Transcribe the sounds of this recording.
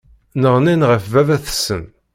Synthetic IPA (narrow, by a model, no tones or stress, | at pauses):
nəʁninʁəfvævæθə̥sːə̰n